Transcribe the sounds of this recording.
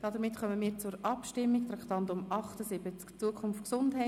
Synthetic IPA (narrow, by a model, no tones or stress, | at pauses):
d̥ɑdəɾmɪtχœməmiːɾt͡sʊɾʔɑpʃtɪmːikt̪ɾɑktɑntʊmʔɑχtəsɪbət͡skt͡suəkʰʊnftksʊndɦɛ